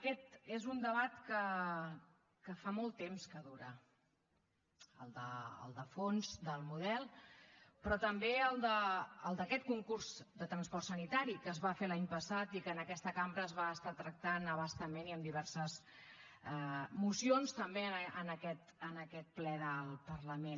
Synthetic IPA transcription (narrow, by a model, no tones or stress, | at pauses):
əkɛt̪ezund̪əβat̪kə | kəfamɔlˠt̪ːemskəðuɾə | ə̰lˠd̪əə̰lˠd̪əfonzd̪əlˠmuðɛlˠ | pɾɔt̪əmbeəlˠd̪əːlˠd̪əkɛt̪̚kuŋkurzd̪ət̪ɾənspɔrt̪sənit̪aɾikəzβafelaɲpəsat̪ikəːnəkɛst̪əkambɾəːzβaəst̪at̪ɾək̚t̪anəβəst̪əmeniəmd̪iβɛrsəz | ɛmusionst̪əmbeənəkɛt̪ənəkɛt̪̚plɛðəlˠpərləmen